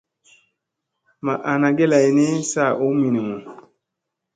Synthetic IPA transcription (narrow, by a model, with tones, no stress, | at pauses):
ma˨ʔa˨na˨ɡe˦la˨i˨ne˦sa˦˨ʔo˨˦mi˨ni˨mo˨